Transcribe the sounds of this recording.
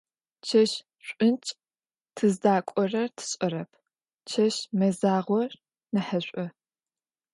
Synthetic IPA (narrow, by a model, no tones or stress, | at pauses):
t͡ʃʰɐʃ | ɕʷʼʊnt͡ʃʼ | tʰɨzdaːkʷʼɔrɐrtʰɨ̥ɕʼɔɾɐpʰ | t͡ʃʰɐʃmɐzaːʁʷɔr | nɨħɐɕʷʼɔ